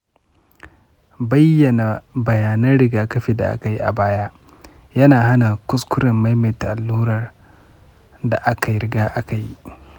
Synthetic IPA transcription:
bɐ˦jːɐ˨na˨bɐ˨jaː˨nɐ˦nɽɪ˨ɡaː˦kɐ˦ɸiː˨da̰˨ʔa̰˦ka˨ji˦ʔa̰˨baː˦ja˦ʔ | jɐ˦naː˨ɦa˦na˨kʷʊ˦skʷʊ˦ɾɪ˨mːa˦jma˨jta˨ʔa˨lːuː˦ɾɐ˨r | da˨ʔa˦ka˨jɾɪ˦ɡaː˦ʔa˦ka˨ji˦

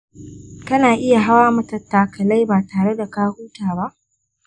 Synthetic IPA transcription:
kɐ˦naː˨ʔɪ˦ja˨ɦa˦waː˦mɐ˦tɐ˨tːaː˨kɐ˨la˦jbaː˨taː˨ɽe˦da˨kaː˦huː˦taː˨ba˦ʔ

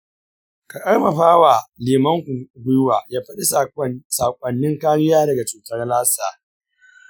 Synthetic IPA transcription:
ka˨kʼɐ˦rmɐ˨ɸaː˦waː˨leː˨mɐ˦ŋ˨ɡʷʊ˦jwaː˨jaː˦ɸɐ˦ɗi˦saː˨kʷʼɐ˨nːɪ˦ŋkaː˦ɽɪ˦jaː˦dɐ˨ɡa˨t͡ʃuː˨tɐ˦rlaː˦saː˨

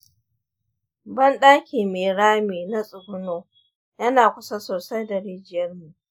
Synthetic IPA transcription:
bɐ˦nɗaː˦kʲiː˨meː˨ɽaː˦meː˨na˦sʼʊ˨bʊ˦noː˦ | jɐ˦naː˨kʷʊ˦sa˦soː˨sa˦jdɐ˨ɾeː˦d͡ʒɪ˨jɐ˦rmu˨ʔ

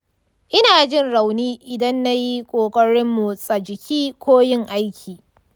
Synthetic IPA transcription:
ʔɪ˦naː˨d͡ʒɪ˦nɽa˨wniː˦ʔɪ˨dɐ˦nːa˦ji˦kʷʼoː˨kʼɐ˦ɽɪ˦mːu˨sʼɐ˨d͡ʒɪ˨kʲiː˦kʷʰoː˦jɪ˦ŋʔa˦jkʲʰiː˨

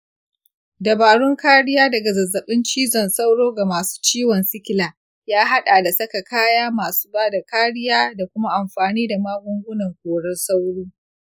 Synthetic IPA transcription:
dɐ˨baː˨ɽʊ˦ŋkaː˦ɽɪ˦jaː˦dɐ˨ɡa˨zɐ˨zːɐ˨ɓɪ˦nt͡ʃiː˦zɔ˨nsa˦wɽoː˦ɡa˨maː˨su̥ː˦t͡ʃiː˦wɔ˨nsɪ˦kʲɪ˦˨laː˨ | jaː˦ɦa˦ɗaː˨da˨sɐ˦ka˨kaː˦jaː˦maː˨su̥ː˦baː˦da˨kaː˦ɽɪ˦jaː˦da˨kʷʊ˦ma˦ʔa˨mɸaː˨niː˦da˨maː˦ɡʷʊ˦ŋɡʷʊ˦nɐ˨ŋkʷoː˨ɽɛ˦rsa˦wɽuː˦

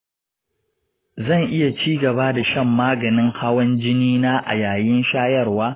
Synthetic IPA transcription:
zɐ˦˨ŋʔɪ˦ja˨t͡ʃiː˦ɡɐ˨ba˦da˨ʃɐ˦˨mːaː˦ɡɐ˨nɪ˦ŋha˦wɐ˦nd͡ʒɪ˦niː˦naː˦ʔa̰˨jaː˨jɪ˦nʃaː˦jɐ˦˨rwaː˦

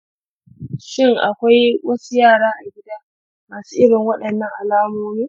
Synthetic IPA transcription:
ʃɪ˦˨ŋʔa̰˨kʷa˦jwɐ˦su˦jaː˦˨ɽaː˦ʔa˨ɡʲɪ˦daː˦ | maː˨su̥ː˦ʔɪ˦ɽɪ˨ŋwɐ˦ɗɐ˨nːɐ˦ŋʔa˨laː˦moː˦miː˦

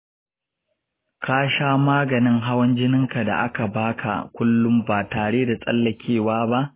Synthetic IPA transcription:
kaː˦ʃaː˦maː˦ɡɐ˨nɪ˦ŋɦa˦wɐ˦nd͡ʒɪ˦nɪ˦ŋka˨da̰˨ʔa˦ka˨baː˦kʰa̰˨kʷʊ˦lːʊ˦mbaː˨taː˨ɽeː˦da˨sʼɐ̰˦lːɐ˨kʲʰeː˦˨waː˦ba˦ʔ

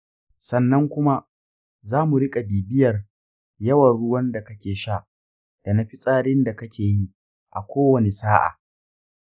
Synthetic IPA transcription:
sɐ˨nːɐ˦ŋkʷʊ˦ma˦ | zaː˦mu˨ɽɪ˦kʼa˨biː˨bɪ˦jɐ˨r | jɐ˦wɐ˨nɽʊ˦wɐ˦nda˨kɐ˦kʲeː˨ʃa˦˨ʔ | d̥a˨na˨˦ɸi˦sʼaː˦ɽɪ˦nda˨kɐ˦kʲeː˨ji˦ | ʔa˨kʷoː˦wɐ˨ne˨saː˦ʔa̰ː˨

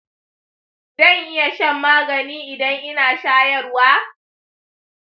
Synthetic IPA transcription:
d̥ɐ˦˨ŋʔɪ˦ja˨ʃɐ˦mːaː˦ɡɐ˨niː˦ʔɪ˨dɐ˦ŋʔɪ˦naː˨ʃaː˦jɐ˦˨rwaː˦

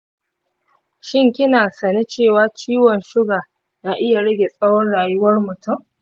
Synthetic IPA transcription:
ʃɪ˦ŋkʲɪ˦naː˨sɐ˨ni˦t͡ʃeː˦˨waː˦t͡ʃiː˦wɔ˨nʃʊ˦ɡaː˨ | naː˦ʔɪ˦ja˨ɽɐ˦ɡʲe˨sʼɐ˦wɔ˦nɽaː˨jʊ˦wɐ˦rmʊ˨tʊ˦˨m

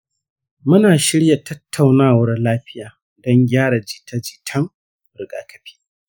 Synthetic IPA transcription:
mʊ˦naː˨ʃɪ˦ɽja˨tɐ˦tʰːa˨wnaː˦˨wɐ˦rlaː˦ɸɪ˦jaː˨ | dɔ˦ŋɡʲaː˦ɽa˨d͡ʒɪ˨tʰa˦d͡ʒɪ˨tʰɐ˦ŋ | ɾɪ˨ɡa̰ː˨kʰɐ˨ɸi̥ː˦

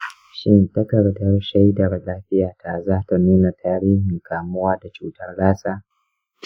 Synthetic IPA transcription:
ʃɪ˦nta˦kɐ˨ɽdɐ˦rʃa˦jdɐ˨rlaː˦ɸɪ˦jaː˨ta˨zaː˦ta˨nuː˦na˨tʰaː˦ɾiː˦hɪ˨ŋkaː˨mʊ˦waː˦da˨t͡ʃuː˦tɐ˦rɽaː˦saː˦

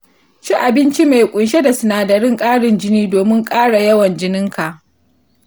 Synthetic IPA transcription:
ʃi˦ʔa˨bɪ˦nt͡ʃi˦me˨jkʷʼʊ˨nʃe˦da˨sʊ˨naː˨dɐ˨ɽɪ˦ŋkʼaː˦ɽɪ˨nd͡ʒɪ˦niː˦doː˨mɪ˦ŋkʼaː˦ɽa˨jɐ˦wɐ˨nd͡ʒɪ˦nɪ˦ŋka˨ʔ

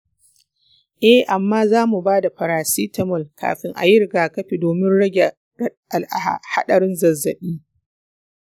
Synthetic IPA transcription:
ʔɛ˦hʔa˨mːaː˦zaː˦mu˨baː˦da˨ɸɐ˨ɾaː˨siː˦tɐ˦mɔ˦˨lka̰ː˨ɸɪ˦ŋʔa̰˨jɪ˦ɾɪ˨ɡaː˨kɐ˦ɸi˨doː˨mɪ˦nɽɐ˦ɡʲe˨ | ʔa˨la˨ha̰˨ha̰˦ɗɐ˨ɽɪ˦nzɐ˨zːɐ̰˨ɓiː˦

